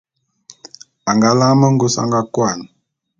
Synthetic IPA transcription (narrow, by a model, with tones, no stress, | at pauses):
a˨ŋɡa˦la˦mə˦ŋ̩˦ɡu˦sa̰˦ŋɡa˦kwa˨n